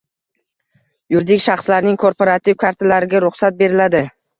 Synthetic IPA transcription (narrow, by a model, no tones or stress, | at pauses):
jʊɾd̪ɪkʲʃaχslaɾnɪŋkʰo̞ɾpʰoɾat̪ʰivkʰaɾt̪ʰalaɾɪɡʲaɾʊχsat̪̚be̞ɾɪlad̪ɪ